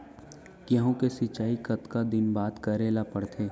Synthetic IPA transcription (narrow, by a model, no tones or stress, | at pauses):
kjəɦõkesɪt͡ʃaːikɐt̪kad̪ɪnbaːt̪kɐɾeːlapɐɽt̪ʰeː